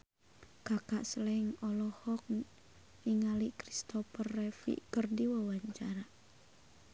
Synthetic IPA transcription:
kakaʔslɛŋɔlɔhɔk̚ | iŋalikɾist̪ɔpərːɛfḭkərdiwawaɲt͡ʃaɾa

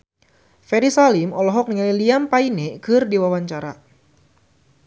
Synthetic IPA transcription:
fɛɾisalimɔlɔɦɔk̚niŋaliliampainɛkɨrdiwawaɲt͡ʃaɾa̰

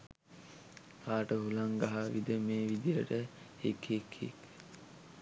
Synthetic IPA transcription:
kaːʈəɦulaŋɡaɦaʋid̪əmeːʋid̪ijəʈə | ekʰekʰḛk

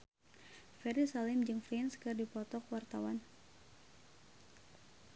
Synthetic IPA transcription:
fɛɾisalɪmd͡ʒɨŋfɾɛnskɨrdipɔt̪ɔkwart̪awan

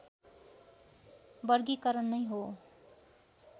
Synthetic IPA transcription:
bʌrɡikʌɾʌnːʌjɦo

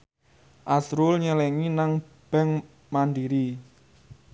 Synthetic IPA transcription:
ʔasɾʊlɲəlɛŋinaŋ | b̥ɛ̤ŋ | mandiɾi

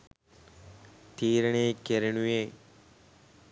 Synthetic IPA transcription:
t̪iːɾɐɳeːkeɾɐɳujeː

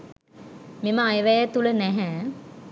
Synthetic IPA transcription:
miməajʋɛjət̪ulənæɦɛː

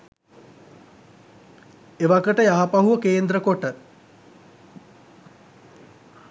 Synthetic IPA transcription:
eʋaɡəʈəjaːapaɦuʋəkeːnd̪ɾəkoʈə

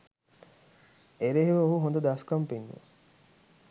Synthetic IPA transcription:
eɾeɦiʋɐoɦuɦond̪ɐd̪askɐmpinːṵ

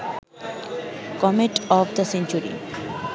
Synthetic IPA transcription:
kɔmeʈɔvd̪əsẽnt͡ʃuɾḭ

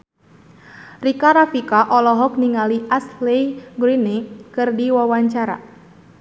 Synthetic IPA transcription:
rikaɾafikaʔɔlɔɦɔk̚niŋaliʔaslejɡɾinekɨrdiwawaɲt͡ʃaɾa̰

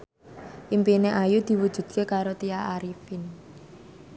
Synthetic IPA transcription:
ʔimpineʔajud̪̥i̤wud̥ʒ̥ṳd̪̥̚kekaɾot̪iaaɾifɪn

